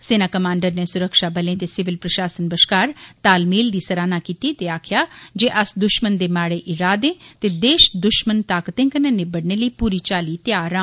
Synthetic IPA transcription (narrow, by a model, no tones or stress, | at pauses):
seːnaːkəmãːɳɖəɾneːsʊɾəkʃaːbəlẽːt̪eːsɪʋɪlpɾəʃaːsənbəʃkaːɾt̪aːlmiːld̪iːsəɾaːnaːkiːt̪iːt̪eːaːkʰjaːd͡ʒeːʔəsd̪ʊʃmənd̪eːmaːɽeːʔɪɾaːd̪ẽːt̪eːd̪eːʃd̪ʊʃmənt̪aːkət̪ẽːŋkənə̃ːneːbəɽneːləiːpuːɾiːt͡ʃaːliːt̪jaːɾãː